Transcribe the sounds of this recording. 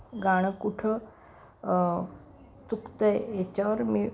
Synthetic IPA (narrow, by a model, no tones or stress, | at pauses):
ɡaɽ̃kuʈʰə | t͡s̪ukt̪əeet͡ɕaʋəɾmi